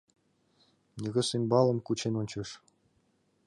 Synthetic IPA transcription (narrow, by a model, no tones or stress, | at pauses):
nʲɘ̆ɣʲɘ̆sinʲbɑlˠɤ̆mkut͡ɕenonʲt͡ɕɤ̆ʂ